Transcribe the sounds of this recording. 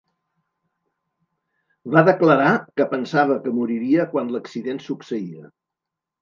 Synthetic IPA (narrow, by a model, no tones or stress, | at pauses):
βaðəkləɾakəpənsaβ̞əkəmuɾiɾiəkwanləksiðensuksəiə